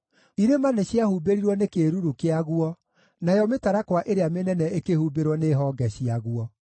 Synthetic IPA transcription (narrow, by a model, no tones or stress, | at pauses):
iɾemanɛɕiahubeɾiɾwɔnekeɾuɾukeaɣuɔ | najɔmetaɾakwaʔeɾeamenɛnɛekehubeɾwɔneɦɔɡɛɕiaɣwɔ